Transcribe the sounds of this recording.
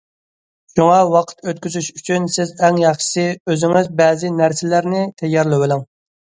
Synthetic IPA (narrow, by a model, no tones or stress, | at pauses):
ʃuŋɑwɑqʰə̥t̪øt̪̚kʲyzyʃyt͡ʃʰynsɪzɛŋjɑχʃɨ̥sɨøzɪŋɪzbɛːzɪnæɾsɪlæɾnɪt̪ʰɛjːɑɾlˠɪwɪlɪŋ